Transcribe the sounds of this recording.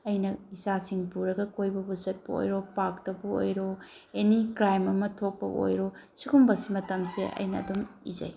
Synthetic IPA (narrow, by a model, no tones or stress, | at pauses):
ɐjnɐisasiŋbuɾɐɡɐkojbɐbusɐt̚pɐo̰jɾopak̚tɐbɐo̰jɾo | enikɾajmɐmɐtʰok̚pɐo̰jɾosikumbɐsimɐtɐmsḛʔɐ̰jnɐ̰ːdumizɐ̰j